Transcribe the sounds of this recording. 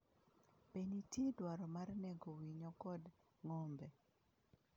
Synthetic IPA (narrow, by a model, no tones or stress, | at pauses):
penitjedwaɾɔmarnɛɡowiɲɔkɔd | ŋɔmbɛ